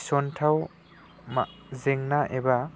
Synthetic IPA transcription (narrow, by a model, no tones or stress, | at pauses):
sɔntʰaw | ma̰zeŋnaʔeba